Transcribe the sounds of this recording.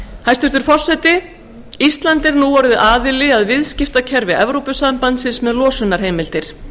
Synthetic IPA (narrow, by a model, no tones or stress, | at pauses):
hajst̪ʏɾ̥t̪ʏɾ̥fɔr̥sɛt̪ɪ | ist̪lant̪ɪɾnuːvaɾðɪʔaːðɪlɪaðvɪðscɪft̪acʰɛɾvɪɛvɾowpʏsampant̪sɪnsmɛðlɔːsʏnːaɾ̥ɦejmɪlt̪ɪɾ̥